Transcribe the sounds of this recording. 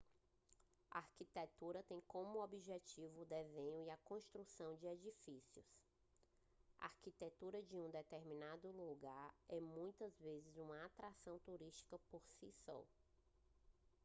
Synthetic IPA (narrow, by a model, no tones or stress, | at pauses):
aaɾkit̪et̪uɾɐt̪ẽj̃kõmʊobiʒet͡ʃivʊːd̪ezẽɲʊiɐkõʃt̪ɾusɐ̃w̃d͡ʒɪed͡ʒifisiʊs | a̰aɾkit̪et̪uɾɐd͡ʒɪũd̪ɛt̪eɾmĩnad̪ʊluɡaɾɛmũj̃t̪ɐzvezɪzũmɐat̪ɾasɐ̃w̃t̪uɾiʃt͡ʃi̥kɐpoɾsisɔ̰